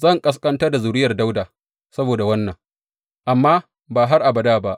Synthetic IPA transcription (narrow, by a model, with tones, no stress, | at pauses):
zɐ˦˨ŋkʼɐ˦s̬kʼɐ˦ntɐ˦da˨zʊ˨ɾɪ˦jɐ˨rda˦wdaː˨ | sɐ˦boː˨da˨wɐ˦nːɐ˨ŋ | ʔa˨mːaː˦ | baː˨ɦa˦rʔa˨bɐ˨daː˦˨ba˦ʔ